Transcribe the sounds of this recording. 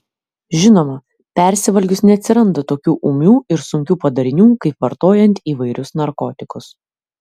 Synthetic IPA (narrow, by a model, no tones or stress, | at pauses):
ʒʲɪnoːmɐ | pʲɛˑɾʲsʲɪʋɐlʲɡʲʊsnʲɛɐt̪ʲsʲɪɾɐnd̪ɐt̪oːkʲuːʔumʲuːɪɾsʊŋʲkʲuːpɐd̪ɐɾʲɪnʲuːkɐɪpʋɐɾt̪oːjɛnʲt̪ʲiːʋɐɪɾʲʊsnɐɾkɔːt̪ʲɪkʊs